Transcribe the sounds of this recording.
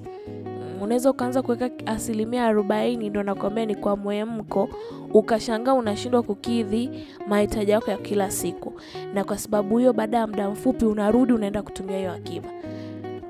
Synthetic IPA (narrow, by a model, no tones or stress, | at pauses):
unawɛzaukaanzakuwɛkaasilimiaːɾɔɓainindɔnakwambianikwamwɛm̩kɔ | ukaʃaŋɡaːunaʃindwakukiði | mahitaʄijakɔjakʰilasiku | nakwasaɓaɓuhijɔɓaːɗajam̩ɗam̩fupiunaɾuɗiunaɛndaku̥tumiahijɔakiva